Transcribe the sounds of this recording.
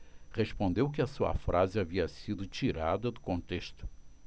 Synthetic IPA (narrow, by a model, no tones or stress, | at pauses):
ʁespõnd̪ewkɪɐsuɐ̰fɾʔazɪaviɐsid̪ʊt͡ʃiɾad̪ɐd̪ʊkõnt̪eʃt̪ʊ̥